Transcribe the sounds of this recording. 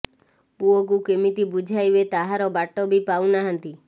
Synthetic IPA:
puok̬ukemit̪ibud͡ʒʱajbet̪aɦaɾɔbaʈɔbipawnaɦant̪i

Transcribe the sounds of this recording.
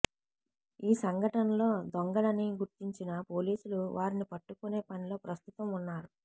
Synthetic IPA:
iːsɐŋɡʱɐʈɐnɐlo̞ːd̪oŋɡɐɽɐniɡuɾt̪iɲt͡ʃinɐpo̞ːliːsuluʋʔaːɾinipɐʈːukune̞ːpɐnilo̞ːpɾɐst̪ut̪ɐmunːaːɾu

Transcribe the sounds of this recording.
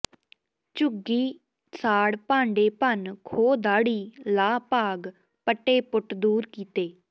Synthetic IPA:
t͡ʃʊɡiː | saːɽpãːɳɖeːpənkʰoːd̪aːɽiːlaːpaːɡ | pəʈːeːpʊʈd̪uːɾkiːt̪eː

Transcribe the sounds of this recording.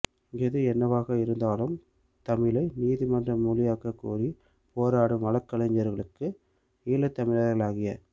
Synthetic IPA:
ɛðɯɛnːɐʋaːɣɐɪɾɯnd̪aːlɯm | t̪ɐmɪlɐɪniːðimɐndrɐmːuːlɪjaːkɐkːṵːɾi | poːɾaːɽɯʋɐɭɐkːɐlɐɲd͡ʒɐɾɣɐɭɯkːɯ | iːlɐt̪ːɐmɪlɐɾɣɐɭaːɣɪjɐ

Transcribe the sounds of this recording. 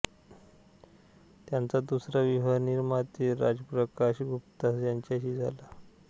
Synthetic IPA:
t̪jant͡sad̪usɾaʋiɦəɾniɾmat̪iːɾa̰d͡zəpɾəkaɕɡʱupt̪asjaɲt͡ɕjaɕiːd͡zʱala

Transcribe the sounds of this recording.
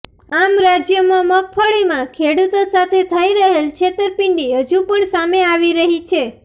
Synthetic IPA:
amɾad͡ʒjəmãmək̚fəɭimãkʰeɽut̪osat̪ʰet̪ʰəiɾəɦelt͡ʃʰet̪əɾpɪɳɖiɦəd͡ʒũpəɳsameaʋiɾəɦit͡ʃʰe

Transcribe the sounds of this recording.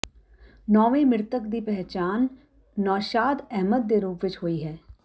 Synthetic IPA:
nɔːʋẽːmɪɾt̪əkd̪iːpɛɦt͡ʃaːnː | ɔːʃaːd̪ɛɦməd̪ːeːɾuːpʋɪt͡ʃɦoːiːɦɛː

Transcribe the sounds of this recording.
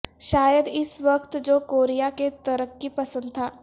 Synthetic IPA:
ʃaːjəd̪ɪsʋɐkt̪d͡ʒoːkoːɾijaket̪ɐɾəkːipɐsə̃nd̪̚t̪ʰaː

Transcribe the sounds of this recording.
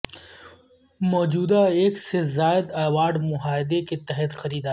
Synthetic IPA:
mɔːd͡ʒuːd̪aeːksezaːɪd̪aːwaːɖmʊɦaːɪd̪eket̪ɛɦɛt̪xɐɾiːd̪aː

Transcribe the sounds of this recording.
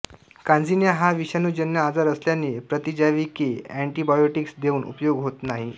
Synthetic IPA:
kãnd͡zinjaɦaʋiɕanuːd͡ʑənjəad͡zaɾəsljanːiːpɾət̪id͡ʑaʋikeæɳʈibajoʈiksd̪euːnʔṵpjoɡɦot̪naɦi

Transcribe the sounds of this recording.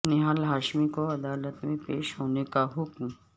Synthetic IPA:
neɦãlɦaːʃmikoɐd̪aːlət̪mẽpeːʃɦoːnekaɦʊkm

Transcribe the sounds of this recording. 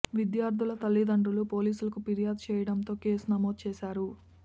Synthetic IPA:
ʋid̪jaːɾd̪ʱulɐt̪ɐlːid̪ɐɳɖulupo̞ːliːsulɐkupiɾijaːd̪̚t͡ʃɛːjɐɽɐnt̪o̞ːke̞ːsunɐmoːd̪̚t͡ʃɛːʃaːɾu

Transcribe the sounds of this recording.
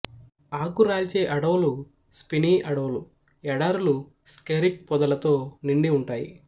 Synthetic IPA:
aːkuɾaːlt͡ʃe̞ːʔɐɽɐʋɐlu | spiniːʔɐɽɐʋɐlu | ɛɽaːɾulu | skeɾik̚pɔd̪ɐlɐt̪o̞ːniɳɖiuɳʈaːjḭ

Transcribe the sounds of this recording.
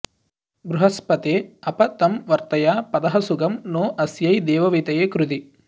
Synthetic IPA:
bɾuɦɐspɐt̪eːɐpɐt̪ɐmʋɐɾt̪ɐjaːpɐd̪ɐɦɐsuɡɐmnoːʔɐsjɐjd̪ɛːʋɐʋit̪ɐjeːkɾud̪i

